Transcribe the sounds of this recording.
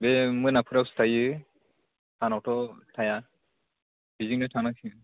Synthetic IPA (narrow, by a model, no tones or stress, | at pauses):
bɛmujnapʰuɾakstʰajɯ | tʰanɔwtɔtʰaja | biziŋnɔtʰanakʰi